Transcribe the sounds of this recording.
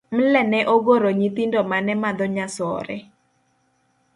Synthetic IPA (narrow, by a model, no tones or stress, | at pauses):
m̩lɛnɛʔoɡoɾoɲit̪indɔmanɛmad̪ɔɲasɔ̰ɾɛ